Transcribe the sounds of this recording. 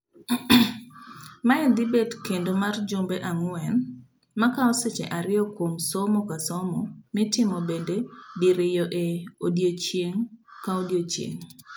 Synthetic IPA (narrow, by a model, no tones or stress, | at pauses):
maɛnd̪ɪbedkendomard͡ʒombeʔaŋʊwɛn | makaɔset͡ʃḛʔaɾɪɔkwomsɔmɔkasɔmɔmɪtɪmɔbendediɾɪjɔʔeodjot͡ʃjeŋkaodjot͡ʃjḛŋ